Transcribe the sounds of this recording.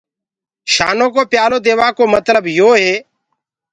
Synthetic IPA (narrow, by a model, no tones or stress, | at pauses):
ʃa̰ːnõːk̬oːpjaːloːd̪eːʋaːkoːmət̪ləbjoːɦeː